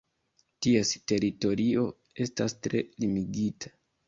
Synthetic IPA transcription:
tieste̞ɾito̞ɾio̞ | e̞stastɾe̞̰limiɡitʰḁ

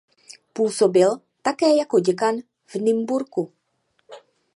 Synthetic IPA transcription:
puːso̞bɪl | t̪akɛːjako̞ɟɛkan | vnɪmbuɾku

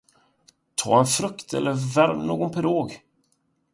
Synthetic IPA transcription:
t̪ʰɑ̰ːɛnfɾɵkt̪ʰɛ̰lːəɾvæɾmno̰ːɡɔnpʰɛɾoːɡ

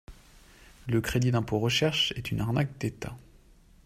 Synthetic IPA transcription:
ləkχed̪id̪ɛ̃poʁəʃɛʁʃɛt̪ynaʁnak̚d̪et̪a̰

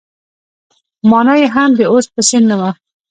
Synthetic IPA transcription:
mɑnajeɦamd̪eospəsɪnːama

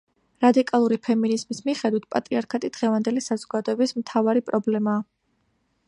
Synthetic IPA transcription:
ɾad̪ikʼalˠuɾipʰɛminizmismiχɛd̪wit̪̚ʰpʼat̪ʼɾiaɾkʰat̪ʼid̪̥ʁɛvand̪ɛlisazɔɡad̪ɔɛbismt̪ʰavaɾipʼɾɔblɛmaː

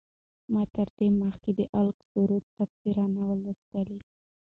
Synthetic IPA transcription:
mɑt̪əɾd̪eməxked̪əʔalksuɾut̪ːapsiɾɑnawələst̪ali

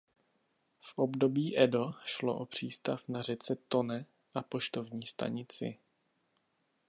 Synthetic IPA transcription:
fʔobdo̞biːʔɛdoʃlo̰ʔopr̝̥iːst̪afnar̝ɛt͡sɛt̪o̞nɛ | ʔapo̞ʃt̪o̞vɲiːst̪a̰ɲɪt͡sɪ̰

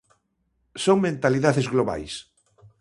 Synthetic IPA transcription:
soŋmẽnt̪aliðaðezɣloβa̰js

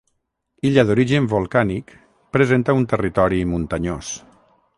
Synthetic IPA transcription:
iʎaðuɾiʒəmbulˠkanik | pɾəzent̪aunt̪ərit̪ɔɾimunt̪aɲo̰s

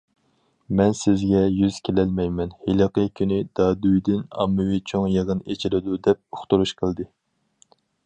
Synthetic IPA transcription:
mɛnsɪzɡʲɛjyz̥kʲʰelɛlmɛjmɛnhelˠɑqəkʲʰynɪd̪̥ɑːd̪ujd̪ɪnɑ̰mːɨwɪt͡ʃʰoŋjɨʁənet͡ʃʰilɪd̪ud̪ɛp̚oχt̪uɾuʃqʰəlˠd̪ɨ

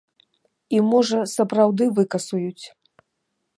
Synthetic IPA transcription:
imɔʐɐsɐpɾawd̪ɨvɨkɐsujut͡sʲ

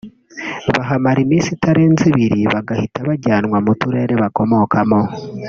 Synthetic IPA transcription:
βaɦamaɾimiːsitaɾeːnziβiɾiβaɡahitaβaɟaːnwamutuɾe̞ɾeβako̞mo̞kʰamo̞

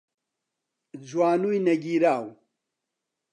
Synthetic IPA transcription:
d͡ʑwaːnujnɐɡiːɾaːw

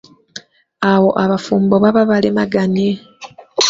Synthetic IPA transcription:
awo̞ʔaβafuːmboβaβaβalemaɡane

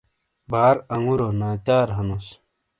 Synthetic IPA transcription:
baːɾɐŋuɾonaːt̪aːɾɦɐnus

